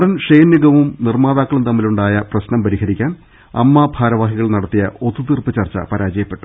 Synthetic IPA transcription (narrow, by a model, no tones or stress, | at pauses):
ɽɐnʂejnːiɡɐʋumnirmaːðaːkːɐɭunt̪ɐmːiluɳɖaːjɐprɐɕnɐmpɐɾihɐɾikʲːaːn | ɐ̰mːabʱaːɾɐʋaːɦiɣɐɭnɐɽɐt̪ːijɐo̞t̪ːut̪irpɨt͡ɕɐrt͡ɕːɐ̰pɐɾaːd͡ʑɐjɐpːe̞ʈːu